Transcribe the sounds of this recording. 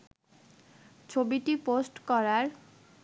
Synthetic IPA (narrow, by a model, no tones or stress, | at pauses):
t͡ɕʰobiʈiposʈkɔɾaɾ